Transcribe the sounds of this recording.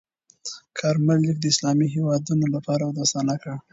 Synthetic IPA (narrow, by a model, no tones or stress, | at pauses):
kʰɑɾmalːikd̪əɪslɑmiɦewɑd̪unolapɑɾawd̪ast̪ɑnakəɽ